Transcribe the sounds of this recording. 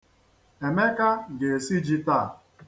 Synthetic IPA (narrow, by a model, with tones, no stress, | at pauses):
e˨me˦ka˦ɡe˨si˦d͡ʒi˦ta˦˨